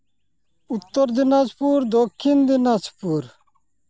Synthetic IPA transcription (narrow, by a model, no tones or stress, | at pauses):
ut̪ːɔɾd̪inad͡ʒpuɾd̪okʰːind̪inad͡ʒpuɾ